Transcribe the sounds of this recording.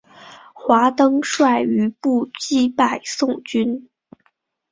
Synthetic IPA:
xwa˧˥t̪ɤ˥ŋʂwa˥˩ɪy˧˥pu˥˩t͡ɕi˥pa˨˩ɪsʊ˥˧ŋt͡ɕy˥n

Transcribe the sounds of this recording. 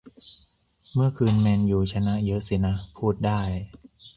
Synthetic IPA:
mɯ˥˩əkʰɯː˧nmeː˧njuː˨˩t͡ɕʰa˧na˦˥ʔjɤ˦˥ʔsi˨˩na˦˥ʔpʰuː˥˩t̪̚daː˥˩j

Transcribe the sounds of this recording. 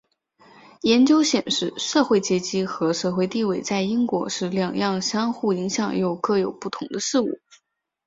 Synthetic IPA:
jɛ˧˥nt͡ɕjo˥ʊɕjɛ˨˩nʂɻ̩˥˩˧ʂɤ˥˧xwe˥˩ɪt͡ɕjɛ˧˥t͡ɕi˥xɤ˧˥ʂɤ˥˧xwe˥˧ɪt̪i˥˧we˥˩ɪt͡sa˥˩ɪi˥ŋkwɔ˧˥ʂɻ̩˧˥˩ljɑ˨˩ŋjɑ˥˩ŋɕjɑ˥ŋxu˥˩i˧˥ŋɕjɑ˨˩ŋjo˥˩ʊkɤ˥˩jo˨˩ʊpu˥˩t̪ʰʊ˧˥ŋd̪ə˧ʂɻ̩˥˧ṵ˥˩

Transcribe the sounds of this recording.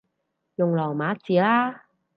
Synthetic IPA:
jo˨˩ŋlɔː˨˩maː˨˥t͡si˨˦laː˧˥

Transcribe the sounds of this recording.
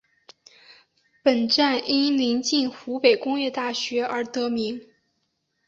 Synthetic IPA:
pə˨˩nʈ͡ʂa˥˩nʔi˥nli˧˥nt͡ɕi˥˩nxu˧˥pe˨˩ɪkʊ˥ŋjɛ˥˧t̪a˥˩ɕɥɛ˧˥ə˞˧˥t̪ɤ˧˥mi˧˥ŋ

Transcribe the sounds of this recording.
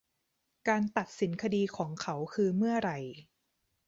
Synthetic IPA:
kaː˧nt̪a˨˩t̪̚si˩˦nkʰa˧diː˧kʰɔː˩˦ŋkʰa˦˥wkʰɯː˧mɯ˥˩ɐɾa˧j

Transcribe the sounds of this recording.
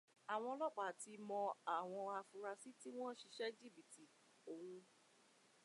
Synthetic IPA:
a˨w̃ɔ̃˧lɔ˦k͡pa˨ti˧mɔ̃˧a˨w̃ɔ̃˧a˧fu˧ɾa˧si˦ti˦w̃ɔ̃˦ʃi˧ʃɛ˦d͡ʒi˦˨bi˨ti˨ | o˨wũ˧

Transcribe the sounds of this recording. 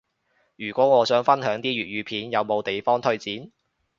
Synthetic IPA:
jyː˨˩kʷɔː˨˥ŋɔː˨˧sœː˨˥ŋfɐ˥nɦœː˨˥ŋt̪iː˥ɥyː˨t̚ɥyː˨˧pʰiː˨njɐ˨˧wmo˨˧wt̪e˨jfɔː˥ŋt̪ʰɵ˥ɥt͡siː˨˥n

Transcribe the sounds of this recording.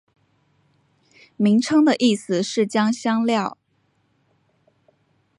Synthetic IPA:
mi˧˥ŋʈ͡ʂʰɤ˥ŋd̪ə˨ʔi˥˩sɹ̩˨˩ʂɻ̩˥˩t͡ɕjɑ˥ŋɕjɑ˥ŋljɑ˥˩ʊ

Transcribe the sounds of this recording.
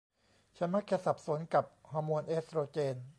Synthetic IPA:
t͡ɕʰa˧˥ma˦˥kʰe˧sa˨˩p̚su˩˦nka˨˩p̚hɔː˧moː˧nʔe˦˥sɾoː˧t͡ɕeː˧n

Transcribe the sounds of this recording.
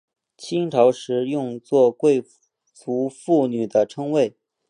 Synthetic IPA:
t͡ɕʰi˥ŋʈ͡ʂʰɑ˧˥ʊʂɻ̩˧˥jʊ˥˧ŋt͡swɔ˥˧kwe˥˧ɪ | t͡su˧˥fu˥˩ny˨˩d̪ə˦ʈ͡ʂʰɤ˥ŋwe˥˩ɪ

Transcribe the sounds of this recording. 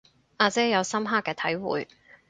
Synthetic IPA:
ʔaː˧t͡sɛː˥jɐ˨˧wsɐ˥mɦaː˥kːɛː˧t̪ʰɐ˨˥jwṵː˨j

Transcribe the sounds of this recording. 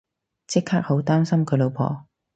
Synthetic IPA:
t͡sɪ˥kʰːaː˥k̚ho˨˥wt̪aː˥msɐ˥mkʰɵ˨˧˥lo˨˧wpʰɔ̰ː˨˩

